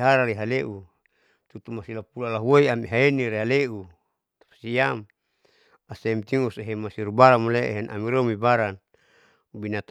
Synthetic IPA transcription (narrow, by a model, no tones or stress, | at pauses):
ɦaɾaɾiɦaleʔu | t̪ut̪umasilapulalaɦuoiamiɦaeniɾeɦaleu | t̪ḁpḁsiam | asemt̪iŋuseɦemasiɾubaɾamoleḛɦenʔa̰miɾomibaɾan | ubinat̪